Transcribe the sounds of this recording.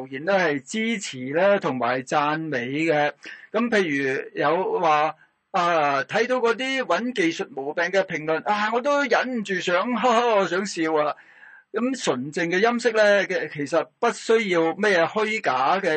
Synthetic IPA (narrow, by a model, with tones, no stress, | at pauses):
wjiː˨˩nt̪o˥hɐ˨jt͡siː˥t͡sʰiː˨˩lɛː˥t̪ʰʊ˨˩ŋma̰ː˨˩jt͡saː˧nme˨˧jkɛ˧kɐ˨˥mpʰe˧jɥyː˨˩jɐ˨˧wwaː˨ | ʔaː˧t̪ʰɐ˨˥jt̪o˨˧wkɔː˨˧t̪̬iː˥wɐ˨˥nke˨jsɵ˨t̚mo˨˩wpɛː˨ŋkɛ˧pʰɪ˨˩ŋlɵ˨˩nʔaː˧ŋɔː˨˧t̪̬o˥wjɐ˨˥nm̩˨t͡ʃyː˨sœː˨˥ŋɦa˥˧sœː˨˥ŋsiː˧waː˧ | kɐ˨˥msɵ˨˩nt͡sɪ˨ŋkɛː˧jɐ˥msɪ˥k̚lɛː˥kɛ˧kʰe˨˩jsɐ˨t̚pɐ˥t̚sɵ˥ɥjiː˧wmɛː˥jɛː˨˧hɵ˥ɥkaː˨˥kɛ˧